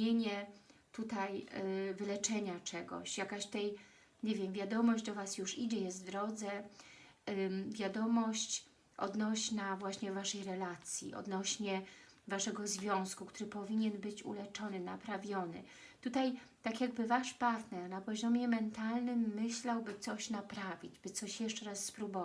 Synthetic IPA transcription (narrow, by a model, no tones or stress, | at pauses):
eɲɛt̪ut̪ajvɘlɛt͡ʂɛɲat͡ʂɛɡɔ̰ɕjakaɕt̪ɛj | ɲevʲjɛmvʲjad̪ɔmɔʑd͡ʑd̪ɔvasjuʂid͡ʑɛjɛst̪d̪ɾɔd̪zɛ | vʲjad̪ɔmɔɕt͡ɕ | ʔɔ̰d̪nɔɕnavwaɕɲɛvaʂɛjɾɛlat̪sʲjḭʔɔ̰d̪nɔɕɲɛvaʂɛɡɔzvʲjɔ̃w̃skukt̪uɾɘpɔvʲiɲɛnbɘt͡ɕṵlɛt͡ʂɔnɘnapɾavʲjɔnɘ̰ | t̪ut̪ajt̪akʲjaɡ̚bɘvaʂpaɾt̪nɛɾnapɔʑɔmʲjɛmɛnt̪alnɘmːɘɕlawbɘt̪sɔɕnapɾavʲid͡ʑbɘt̪sɔɕjɛʂt͡ʂɛɾasːpɾubɔv